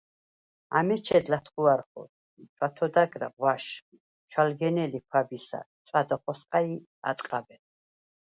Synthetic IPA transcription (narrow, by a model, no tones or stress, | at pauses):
a̰mɛt͡ʃʰɛd̪lat̪ʰχuaɾχɔ̰ | t͡ʃʰwat̪ʰɔd̪aɡɾa̰ʁwaʃ | t͡ʃʰwalɡɛnɛlikʰwabisa̰ | t͡s̪ʼad̪ɔχɔsqʼai | a̰t̪ʼqʼabɛn